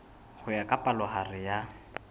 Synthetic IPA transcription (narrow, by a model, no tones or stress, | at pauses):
χʊjakʼapʼalɔχarɪja